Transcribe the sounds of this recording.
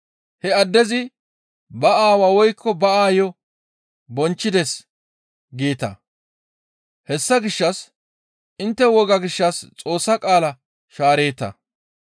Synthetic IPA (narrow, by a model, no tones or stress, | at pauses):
hɛɐd̪ːɛzɪ | bɐʔaːwawɔjkʰːɔbɐaːjɔ | bɔnt͡ʃːɪd̪ɛs | ɡeːt̪ɐ̰ | hɛsːɐɡɪʃːɐs | ʔɪnt̪ːɛwɔɡɐɡɪʃːɐst͡sʼo̞ːsːɐkʼaːlɐ | ʃaːɾe̞ːt̪ːɐ̰